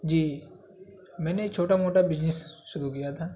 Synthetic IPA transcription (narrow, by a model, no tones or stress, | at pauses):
d͡ʒiː | mɛ̃ːnekt͡ʃʰoːʈamoːʈabɪznɪsʃʊɾukijat̪ʰaː